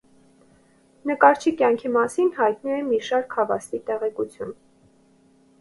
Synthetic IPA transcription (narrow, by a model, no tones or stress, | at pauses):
nəkɑɾt͡ʃʰikjɑŋkʰimɑsinhɑjt̪nuɛmiʃɑɾkʰɑvɑ̰st̪it̪ɛʁɛkut͡sʰjun